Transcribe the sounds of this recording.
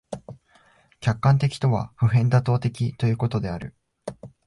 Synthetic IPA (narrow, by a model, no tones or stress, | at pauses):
kʲakːãnt̪e̞kʲi̥t̪o̞βa̰ɸɯ̟ɦẽ̞nd̪at̪o̞ːt̪e̞kʲit̪o̞jɯ̟ːkot̪o̞d̪e̞aɾɯ̟̰